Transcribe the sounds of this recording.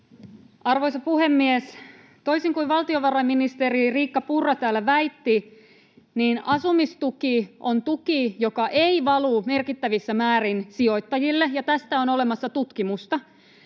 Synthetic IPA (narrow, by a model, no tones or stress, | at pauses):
ɑrʋojsɑpuhemːies | t̪o̞jsiŋkuiʋɑlt̪ioʋɑrɑjmːinist̪eɾiriːkːɑpurːɑt̪æːlːæʋæjt̪ːi | niːnɑsumist̪ukiʔont̪ukijokɑʔeiʋɑlume̞rkit̪ːæʋisːæmæːɾinsio̞jt̪ːɑjilːejɑt̪æst̪æonolemɑsːɑt̪ut̪kimust̪ɑ